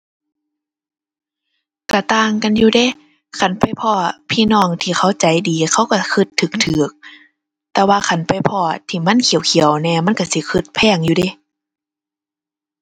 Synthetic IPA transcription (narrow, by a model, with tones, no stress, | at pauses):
ka˧˩t̪aː˧˨ŋka˧˨njuː˧de˧˨ | kʰa˧˩npa˨jpʰɔː˧˩pʰiː˧˨nɔː˧˩˨ŋt̪ʰiː˧xʰa˧˥˩wt͡ɕa˨˦jdiː˨˦kʰa˧˥˩wka˧˩kʰɯ˧˩t̪ʰːɯː˧˦k̚t̪ʰːɯː˨˦k̚ | t̪ɛː˧waː˧kʰa˧˩˨npa˨jpʰɔː˧˩t̪ʰiː˧˩ma˧˥˨nkʰi˨˦ə˦wkʰi˨˦əwnɛː˧˩ma˧˥˨nka˧˩si˧˦kʰɯ˧t̪̚pʰɛː˧˩˨ŋjuː˧de˧˦˨